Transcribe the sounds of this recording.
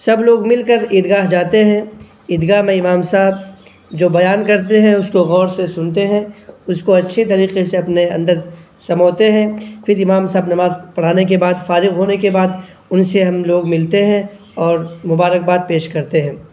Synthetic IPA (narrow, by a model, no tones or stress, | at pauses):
sɐbloːɡmɪlkəɾɪd̪ɡaːɦd͡ʒaːt̪eɦɛ̃ | ɪd̪ɡaːɦmẽɪmaːmsaːɦb̚ | d͡ʒoːbɐjaːnkɐɾt̪̬eɦɛ̃ʊskoɣɔːɾsesʊnt̪eɦɛ̃ʊskoɐtːʃʰet̪̬ɐɾiːqeseɐpneɐ̰̃nd̪əɾ | sɐmɔːt̪eɦɛ̃fʰɪɾɪmaːmsaːbnɐmaːzpɐɽ̤aːnek̬ebaːd̪faːɾɪɣɦoːnekebaːd̪ | ʊnseɦɐmloːɡmɪlt̪eɦɛ̃ | ɔːɾmʊbaːɾək̚baːt̪̚peːʃkɐɾt̪eɦɛ̃ː